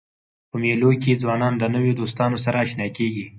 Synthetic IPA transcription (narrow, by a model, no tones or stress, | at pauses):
pəmeloked͡zwɑnɑnd̪ənəwjod̪ost̪ɑnosaɾaːʃnɑkeɡi